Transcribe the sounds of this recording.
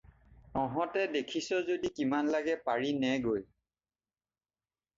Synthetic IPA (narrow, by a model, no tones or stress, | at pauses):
ɔɦɔtɛdekʰisɔzodikimanlaɡɛpaɹinɛɡoj